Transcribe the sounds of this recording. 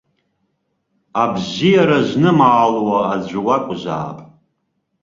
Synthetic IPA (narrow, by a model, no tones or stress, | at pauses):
abzijaɾaʒʷnɨmaːlwaːd͡ʑʷʊwakʷʼzʷa̰ːpʼ